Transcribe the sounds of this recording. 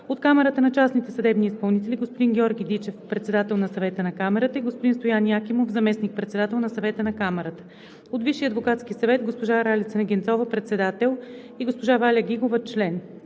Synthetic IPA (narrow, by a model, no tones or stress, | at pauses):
ot̪kamɛɾət̪ənɐt͡ʃasnit̪ɛsɐd̪ɛbniːspɐlˠnit̪ɛlʲiɡospod̪inɡʲɛɔɾɡʲid̪it͡ʃɛfpɾɛt̪sɛd̪at̪ɛlˠnɐsɐvɛt̪ənɐkamɛɾət̪əiɡospʊd̪inst̪ojaniakʲimofzɐmɛsnik̚pɾɛt̪sɛd̪at̪ɛlˠnɐsɐvɛt̪ənɐkamɛɾət̪ə̥ | ot̪viʃiɐd̪vokat̪sk̟ʲisɐvɛt̪ɡospoʒaɾalʲit̪sənɐɡʲɛnt̪sɔvəpɾɛt̪sɛd̪at̪ɛlˠ | iɡospoʒavalʲəɡʲiɡovət͡ʃlɛn